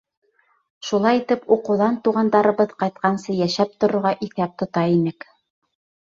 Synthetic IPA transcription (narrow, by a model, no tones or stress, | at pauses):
ʃulˠɑjit̪ɘpuqɤ̆ðɑnt̪uʁɑnd̪ɑɾɤ̆βɤðqɑjt̪̚qɑnsɤjæʃæp̚t̪ŏɾŏɾʁɑʔiθæp̚t̪ŏt̪ɑinɘk